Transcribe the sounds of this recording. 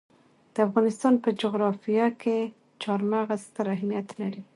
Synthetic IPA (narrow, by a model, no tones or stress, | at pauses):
d̪̥əafɣɑnɪst̪ɑnpəd͡ʒʊɣɾɑfijakʰe | t͡ʃɑɾmaɣast̪əɾaɦmijat̪laɾi